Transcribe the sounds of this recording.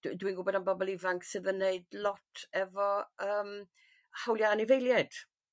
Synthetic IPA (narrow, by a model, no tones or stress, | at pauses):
d̥dwinɡʊbɔdanbɔbɔlˠɪvaŋksɨðənːeɨdlˠɔtʰɛvɔəːm | hawljaːnɪvejlˠjad̥